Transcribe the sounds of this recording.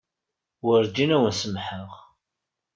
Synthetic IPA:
wəɾd͡ʒinæwənsəmħəʁ

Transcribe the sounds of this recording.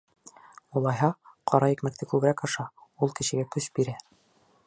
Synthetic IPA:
ulˠɑjɦɑqʰɑɾɑikmæk̚t̪ɘkʉβɘ̆ɾækɑʃɑulˠkɘ̆ʃɘ̆ɡækɵsbiɾæ

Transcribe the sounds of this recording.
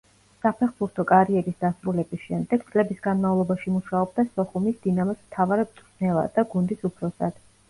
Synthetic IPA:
sapʰɛχbuɾt̪ʰɔkʼaɾiɛɾisd̪̥asɾulɛbisʃɛmd̪ɛɡt̪sʼlɛbisɡanmavlˠɔbaʃimuʃaɔb̚d̪asɔχumisd̪̥inamɔsmt̪ʰavaɾɛt̪ʼɾnɛlˠa̰d̪d̪aɡund̪isupʰɾɔsa̰d̪̥

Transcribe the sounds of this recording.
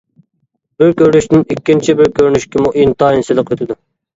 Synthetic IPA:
b̥ɪɾkʲøɾnyʃt̪ɪnikʲːint͡ʃʰɪbɪɾkʲøɾnyʃkʲɛmuʔint̪ʰɑːinsɪlɨqʰøt̪ʰɪd̪u

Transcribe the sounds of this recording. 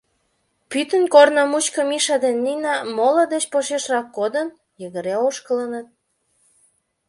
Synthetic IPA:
pyt̪ənkornomut͡ɕkə̆miʃɑd̪enːinɑmoləd̪et͡ɕpoʃeʃrɑkːod̪ən | jə̆ɣə̆ɾeoʃkə̆lənə̆t̪̚

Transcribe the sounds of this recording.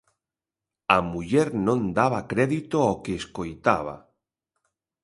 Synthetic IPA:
amuʎɛɾnõnd̪aβakɾɛðit̪ookeːskojt̪aβ̞a̰

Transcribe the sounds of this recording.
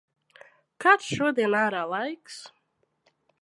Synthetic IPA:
kat̪sʃuɔd̪iɛnaːɾaːlˠajks

